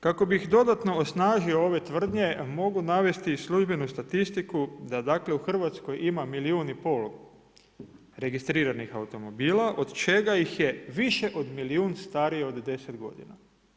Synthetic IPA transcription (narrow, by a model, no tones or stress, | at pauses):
kako̞bixd̪o̞d̪at̪no̞osnaːʒio̞o̞ʋe̞t̪ʋr̩d̪ɲe̞mo̞ɡunaʋe̞st̪isluʒbe̞nust̪at̪ist̪ikud̪ad̪akle̞uxr̩ʋat̪sko̞jʔimamiliuːnipo̞l | ɾe̞ɡist̪ɾiːɾanixaut̪o̞mo̞biːlaʔo̞d̪t͡ʃe̞ɡajixje̞ʋiʃe̞ʔo̞d̪miliuːnst̪aɾijeo̞d̪ːe̞se̞d̪ɡo̞̰d̪ḭna̰